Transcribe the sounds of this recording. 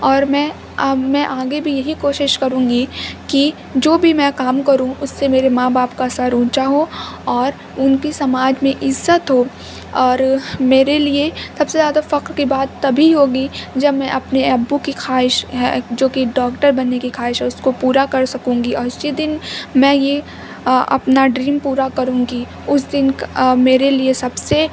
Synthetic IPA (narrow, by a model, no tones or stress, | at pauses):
ɔːɾmɛ̃ | mɛ̃ʔaːɡebʱijɐɦikoːʃɪʃkɐɾũːŋɡiki | d͡ʒoːbʱimɛ̃kaːmkɐɾũʊsːemeːɾemãːbaːpkasaɾũːt͡ʃaɦõɔːɾ | ʊnkisɐmaːd͡ʒmẽʔɪzːət̪ɦoː | ɔːɾmeːɾeliesɐbsezjaːd̪afɐqɾkibaːt̪ːɐbʱiɦoːɡid͡ʒɐbmɛ̃ʔɐpneɐbːukixʰaːɪʃɦɛ̰d͡ʒoːkiɖɔːkʈəɾbɐnːekixʰaːɪʃɦɛ̃ʊskopuːɾakɐɾsɐkũːŋɡiɔːst͡ʃid̪ɪnmɛ̃je | ɐ̰pnaɖɾiːmpuːɾakɐɾũːɡi | ʊsd̪ɪnkmeːɾeliesɐbse